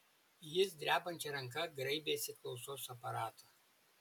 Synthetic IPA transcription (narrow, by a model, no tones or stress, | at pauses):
jɪsd̪ʲɾʲæːbɐnʲt͡ʃʲɛɾɐŋkɐɡɾɐɪbʲeːsʲɪklˠɒʊsoːsɐpɐɾɑːt̪ɐ